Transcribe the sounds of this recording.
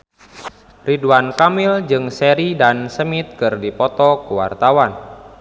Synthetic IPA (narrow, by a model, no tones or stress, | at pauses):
riduankamild͡ʒɨŋsɛɾidansəmit̪̚kɨrdipɔt̪ɔkuwa̰rt̪awan